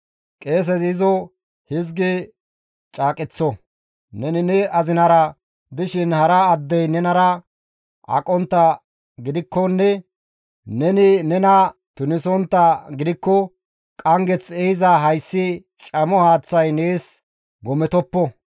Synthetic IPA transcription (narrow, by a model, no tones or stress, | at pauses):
kʼe̞ːs̬ɛzɪzɔ | hɪzɡɛ | t͡ʃʼaːkʼɪt͡sːɔ | nɛnɪnɛɐzɪnɐɾɐ | d̪ɪʃɪnhɐɾɐːd̪ːɛjnɛnɐɾɐ | ʔɐ̰kʼɔnt̪ːɐ | ɡɪd̪ɪkːɔnːɛ | nɛnɪnɛnɐt̪ʊnɪsɔnt̪ːɐɡɪd̪ɪkːɔ | kʼɐŋɡɛt͡sɛhɪzɐɦɐjsːɪ | t͡ʃʼɐmɔhaːt͡sːɐjneːs | ɡɔmɛt̪ɔpːɔ